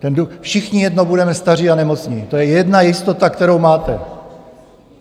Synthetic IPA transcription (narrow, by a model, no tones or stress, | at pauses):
t̪ɛnduxfʃɪxɲɪjɛdnobudɛmɛst̪ar̝ianɛmo̞t͡sɲit̪o̞jɛjɛdnajɪst̪o̞t̪akt̪ɛɾo̞wmaːt̪ɛ̰